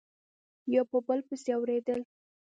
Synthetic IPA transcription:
jɑpəbəlpəseawɾed̪əl

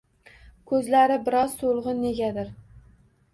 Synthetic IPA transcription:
kʰɵzlaɾɪbɪɾɒzsolˠʁɨːe̞ɡʲad̪ɪɾ

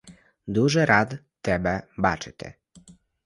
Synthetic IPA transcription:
d̪uʒɛɾat̪ːɛbɛbat͡ʃɛt̪ʰɛ̰

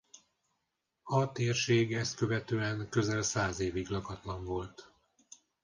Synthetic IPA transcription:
ɒt̪eːrʃeːɡɛst̪køvɛt̪øːɛŋkø̞zɛlsaːzeːviɡlɒkɒt̪lɒɱvo̞lt̪

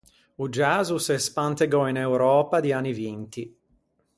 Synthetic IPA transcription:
ud͡ʒazusespant̪eɡɔinewɾɔːpad̪ianivint̪i

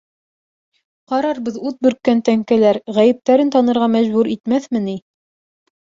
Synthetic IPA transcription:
qɑɾɑɾbɤðʉt̪̚bɵ̆ɾkːænt̪æŋkælæɾʁæjɘ̆p̚t̪æɾɘnt̪ɑnɤ̆ɾʁɑmæʑbʉɾit̪mæθmɘni

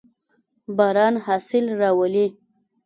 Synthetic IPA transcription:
baɾɑnhɑsɪlɾɑwəli

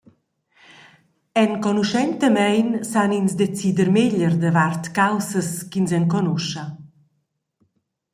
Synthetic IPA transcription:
ɛnkɔnuʃɛnt̪əmɛjnsaninsd̪ɛt͡sid̪əɾmeʎərd̪əvart̪kawsəskins̬ɛnkɔnɔʃa

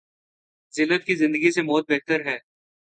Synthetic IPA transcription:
zɪlːət̪̚kizɪ̃nd̪əɡisemɔːt̪̚beːɦt̪əɾɦɛː

